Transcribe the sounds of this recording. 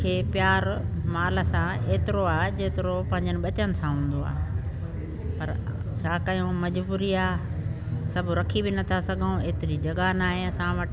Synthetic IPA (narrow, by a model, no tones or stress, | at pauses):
kʰeːpjaːɾmaːlə̆sãeːt̪ɪɾoaːɦed͡ʑeːt̪ɪɾopɐ̃ɦɪ̃ɲd͡ʑənɪɓɐt͡ɕənɪ̆sãɦũːn̆d̪oa̰ː | pɐɾt͡ɕʰaːkɐjõmɐd͡ʑbuːɾiaː | sɐbʱʊɾɐkʰibɪnɐt̪ʰasɐɡʱəũeːt̪ɪɾid͡ʑɐɡanaːɦeɐsãʋɐʈ